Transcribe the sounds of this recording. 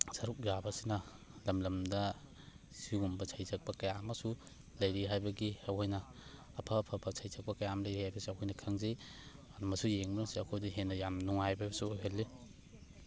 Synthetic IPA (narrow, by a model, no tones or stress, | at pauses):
sɐɾuk̚jabɐsinɐ | lɐmlɐmdɐ | siumbɐt͡ʃʰajzɐk̚pɐkɐjamɐsu | lɐjɾiɦajbɐɡiɐwhojnɐː | pʰɐːpʰɐpʰɐt͡ʃʰajzɐk̚pɐkɐjamɐlɐjɾihajbɐsiɐwhʰojnɐkʰɐŋzeanɐmɐsujeŋbɐɾŋsiɐkʰojdiɦenːɐjamnuŋajbaejbɐsuojɦelːe